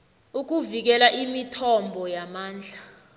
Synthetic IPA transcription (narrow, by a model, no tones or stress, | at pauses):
uk̬uvik̬ɛlaʔimitʰɔmbʱɔjamaːnd͡ɮʱa